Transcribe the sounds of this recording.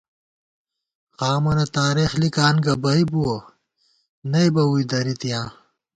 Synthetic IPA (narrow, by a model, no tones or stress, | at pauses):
xaːmɐnet̪aːɾeːxlikaːnɡɐbɐibuo | nɐibɐuid̪ɐɾit̪ijãː